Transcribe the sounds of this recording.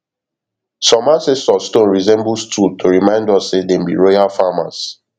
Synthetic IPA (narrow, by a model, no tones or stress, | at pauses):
sɔ̃masɛstɔstõnɹizɛ̃mbustutʰoɹimãɪ̃ndɔssedembḭɹojafama̰s